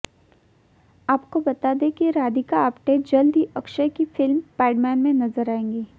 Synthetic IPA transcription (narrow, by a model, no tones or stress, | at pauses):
aːp̚kobɐt̪ad̪ẽkiɾaːd̪ikaːpʈeːd͡ʒɐld̪iʔɐkʃəkifɪlmpɛːɪɖmɛːnmẽnɐzəɾaːẽːŋɡeː